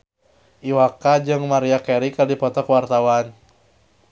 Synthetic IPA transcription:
ʔiwakad͡ʒɨŋmaɾiakɛɾikadipɔt̪ɔkwart̪awan

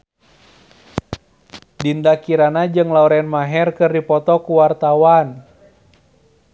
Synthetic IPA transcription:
dindakiɾanad͡ʒɨŋlauɾɛnmaɦɛrkɨrdipɔt̪ɔkuwart̪awan

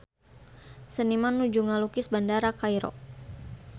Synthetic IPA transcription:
sənimanːud͡ʒuŋalukɪsbandaɾakajɾɔ̰

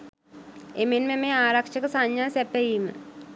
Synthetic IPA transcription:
emenmẽmẽaːɾɐkʃəksaɲjasɛpeiːmə̰̃

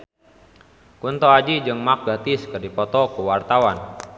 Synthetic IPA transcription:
kunt̪ɔad͡ʒid͡ʒɨŋmak̚ɡat̪iskərdipɔt̪ɔkuwart̪awan

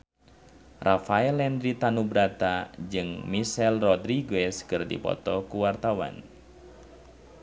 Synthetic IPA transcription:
rʔafaɛlɛndɾit̪anubɾat̪ad͡ʒɨŋmisɛlrɔdɾiɡɛskɨrdḭpɔ̰t̪ɔkuwart̪awa̰n

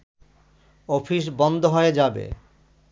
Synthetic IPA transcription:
ɔfʰiʃ̬bɔnd̪ʱoɦoed͡ʑabḛ

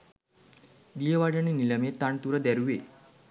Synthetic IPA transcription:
d̪ijəʋaɖəɳinilɐmet̪aɳt̪uɾəd̪ɛɾuʋe

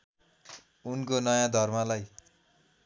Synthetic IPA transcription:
unkonʌjãd̪ʱʌrmalaj

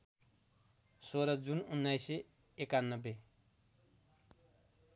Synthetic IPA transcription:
soɾʌd͡zununːajse | ekanːʌbːe

